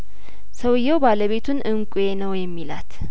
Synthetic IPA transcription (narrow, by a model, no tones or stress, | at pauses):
səwɨjːɛwbaləβe̞t̪ʰunʔɨŋkʷʼjenəwjɛmːilat̪